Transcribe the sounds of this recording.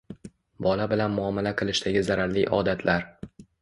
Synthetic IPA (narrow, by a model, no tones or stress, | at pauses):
bɒlabɪlanmʊɒmalaqʰɨlˠɪʃd̪aɡʲɪzaɾaɾlḭʔɒ̰d̪at̪ʰlʔaɾ